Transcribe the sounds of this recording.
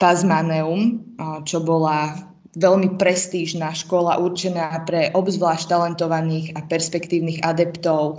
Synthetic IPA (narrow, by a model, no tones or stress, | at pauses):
pazmanɛumt͡ʃɔbɔla | ʋɛlmipɾɛst̪iːʒnaːʃkɔlaʔuɾt͡ʃɛnaːpɾɛʔɔbzʋlaːʃct̪alɛnt̪ɔʋaniːɣapɛɾspɛkt̪iːʊniːɣad̪ɛpt̪ɔʊ